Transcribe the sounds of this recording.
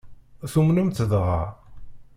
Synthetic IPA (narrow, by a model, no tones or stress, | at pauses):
θumnumt͡s̪ːəðʁɑ̰